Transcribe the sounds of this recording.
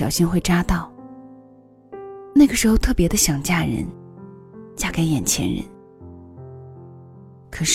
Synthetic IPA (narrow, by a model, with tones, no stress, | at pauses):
ɑ˨˩ʊɕi˥nxwe˥˩ɪʈ͡ʂa˥t̪ɑ˥˩ʊ | na˥˩ɪɡə˩ʂɻ̩˧˥xo˧ʊt̪ʰɤ˥˩pjɛ˧˥d̪ə˧ɕjɑ˨˩ŋt͡ɕja˥˩ɻə̰˧˥n | t͡ɕja˥˩ke˧˥ɪjɛ˨˩nt͡ɕʰjɛ̰˧˥nɻə̰˧˥n | kʰɤ˨˩ʂ